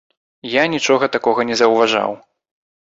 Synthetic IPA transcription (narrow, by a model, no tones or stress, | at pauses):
janʲit͡ʂɔɣɐt̪akɔɣɐnʲɛzɐwvaʐa̰w